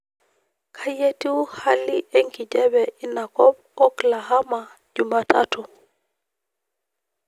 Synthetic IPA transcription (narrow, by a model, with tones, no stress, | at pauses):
kʰa˦je˦ti˦wha˦liʔe˦ŋki˨d͡ʒɛ˦bɛi˦na˨kɔ˦b̚ | ɔ˦kla˨ha˦ma˨ | d͡ʒu˨ma˦ta̰tu˨